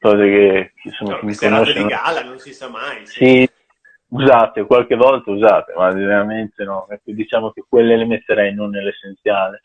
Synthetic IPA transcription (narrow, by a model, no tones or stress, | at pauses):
kɔːzek̟eksomːak̟emːikonoʃt͡ʃːenaasi | uzaːt̪ekwalk̟evɔlt̪auzaːt̪emad͡ʒeneɾament̪enɔɛkːod̪it͡ʃaːmok̟ekwelːelemet̪ːeɾɛjnonːelːesːent̪sjaːle